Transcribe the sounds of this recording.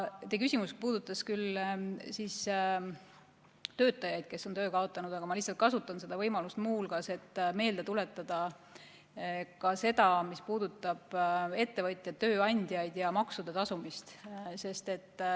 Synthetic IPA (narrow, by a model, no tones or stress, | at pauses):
t̪ekysʲimuspuːd̪̥ut̪ːˑɑskylsiːs | t̪ø̞ːt̪ːˑɑjɑjd̪̥̚ke̞sːo̞nt̪ø̞ːkɑo̞t̪ːˑɑnud̪ɑɡ̥ɑmɑliçsːɑlt̪̚kɑsut̪ˑːɑnse̞d̪̥ɑvɤjmɑlust̪muːlkɑse̞t̪ːˑme̞ːld̪̥e̞t̪ule̞t̪ːˑɑd̪̥ɑ | kɑse̞d̪̥ɑmispuːd̪̥ut̪ːˑɑb̥e̞t̪ːe̞vɤt̪ʲˑjɑø̞ːɑnʲd̪̥jɑjd̪̥jɑmɑksud̪̥et̪ɑsumist̪se̞st̪e̞t̪ːˑ